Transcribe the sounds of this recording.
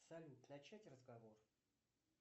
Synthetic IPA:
salʲut̪nat͡ɕætʲrəzɡɐvor

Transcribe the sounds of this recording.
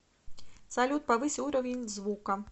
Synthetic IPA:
sɐlʲut̪̚pɐʋɨsʲiuɾɐvʲɪnʲzʋukɐ

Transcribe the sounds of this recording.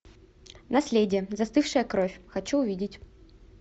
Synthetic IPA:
nɐsʲlʲedʲɪjəzɐst̪ɨfʂɨjəkɾofʲxɐt͡ɕuʊvʲidʲɪtʲ

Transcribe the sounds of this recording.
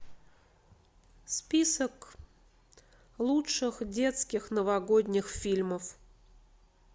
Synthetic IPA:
spʲisək | lˠutʂɨxdʲet̪skʲɪxnəvɐɡodʲnʲɪxfʲilʲməf

